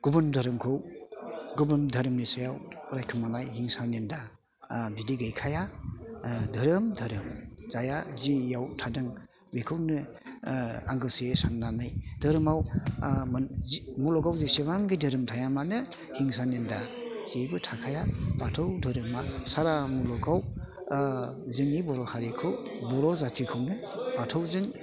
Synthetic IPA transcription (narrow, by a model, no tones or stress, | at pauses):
ɡ̥ubɯndʱaɾɯmkʰɯw | ɡubɯndʱaɾɯmnesajawɾajkʰɯmanajhiŋsanenda | bidiɡɯjkʰaja | dʱɯɾɯmdʱɐɾɯmz̥ajazijawtʰadɯŋ | bekʰɯwnɯ | aŋɡɯsesanːanɯjdɯɾɯmaw | mulɔɡawzisiβaŋɡidɯɾɯmtʰajamanɯ | hiŋsanendaz̥ibɯtʰakʰajapatʰɯwdʱɯɾɯmasaɾamulɔɡaw | zɯŋːibɔɾɔhaɾikʰɯw | bɔɾɔzatʰikʰɯwnɯ | patʰɯwzɯŋ